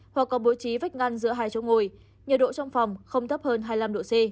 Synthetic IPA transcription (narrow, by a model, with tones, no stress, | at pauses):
hwa˨˩kːɔ˨˦ɓo˨˦jt͡ɕi˨˦va˦˥jk̚ŋa˧nzɨ̰˧˥əɦaː˧˩jt͡ɕo˨˦ŋu˨˩j | ɲə˨˩ɗo̰˧˨t͡ɕɔ˧wŋ͡mfa˨˩wŋ͡mxə˧wŋ͡mt̪ʰə˦˥p̚həː˧nɦaː˧jla˧mɗo̰˧˨se˧